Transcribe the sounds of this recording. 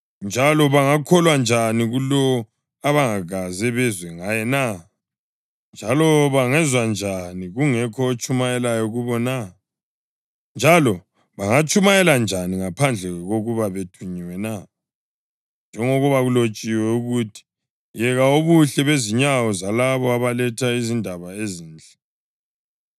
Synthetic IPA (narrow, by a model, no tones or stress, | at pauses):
nd͡ʒʱalɔβaŋakʰɔlwand͡ʒʱaniɣulɔɔ | aβaŋaɣazɛβɛzwɛŋajɛna | nd͡ʒʱalɔβaŋɛzwand͡ʒʱaniɣuŋɛkʰɔːt͡ʃʰʼumajɛlajɔɣuβɔna | nd͡ʒʱalɔ | βaŋat͡ʃʼumajɛland͡ʒʱaniŋapʰand͡ɮʱɛɣoɣuβaβetʰuɲiwɛna | nd͡ʒʱɛŋoɣuβaɣulot͡ʃʼiwɛuɣutʰi̥ | jɛɣaoβuɬɛβeziɲawɔzalaβɔaβalɛtʰaizindʱaβaeziːnd͡ɮʱɛ